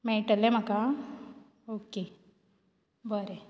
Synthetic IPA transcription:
meʈəlemaka | oːke | bəɾe

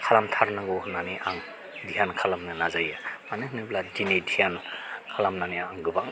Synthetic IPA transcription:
kʰalamtʰaɾnaŋɡohnaniʔaŋ | dijankʰalamnɯnazajamanɯɦɯnɯbladinidijankʰalamnaniaaŋɡɯbaŋ

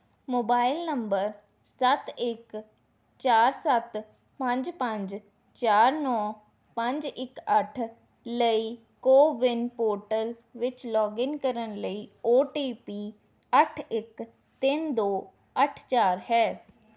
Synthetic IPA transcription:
moːbaːɪlnəmbəɾ | sət̪ɪk | t͡ʃaːɾsət̪ | pəɲd͡ʒpə̃ɲd͡ʒ | t͡ʃaːɾnɔː | pə̃ɲd͡ʒɪkəʈʰ | ləiː | koːʋɪnpoːɾʈəl | ʋɪt͡ʃlɔːɡɪnkəɾənləiːoːʈiːpiː | əʈʰɪk | t̪ɪnd̪oː | əʈʰt͡ʃaːɾɦɛː

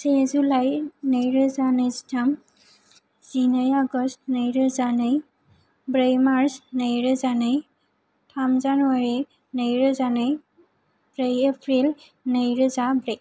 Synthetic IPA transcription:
sezulajnejɹɯzaneztʰam | z̥inajaɡɔstnejɹəzanɯj | bɹejmaɹsnejɹəzanɯj | tʰamzanuaɹi | nejɹəzanɯj | bɹejepʰɹil | nejɹəzabɹej

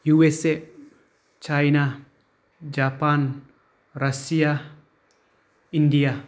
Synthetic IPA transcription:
juɛse | t͡ʃajna | d͡ʒapan | rasia | india

